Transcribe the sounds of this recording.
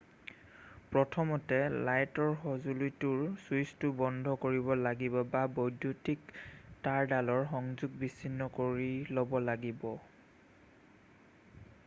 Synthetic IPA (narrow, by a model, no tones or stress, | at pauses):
pɹɔtʰɔmɔtɛlajtɔɹxɔzulujtuɹsujstʊbɔndʱɔkoɹibɔlaɡibɔbabojdʱutiktaɹdalɔɹxɔŋzuɡ̚bisinːɔkoɹilɔbɔlaɡibɔ